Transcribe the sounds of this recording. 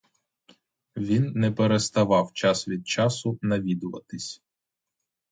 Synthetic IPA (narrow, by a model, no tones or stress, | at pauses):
ʋʲinːɛpeɾest̪ɐʋɑwt͡ʃɑsʋʲid̪̚t͡ʃɑsʊnɐʋʲid̪ʊʋɐ̰t̪ɪsʲ